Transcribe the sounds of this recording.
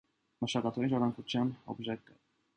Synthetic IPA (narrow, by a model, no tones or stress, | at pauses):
məʃɑkɑt̪ʰɑinʒɑɾɑŋkut͡sʰjɑnɔ̰bʒɛkːə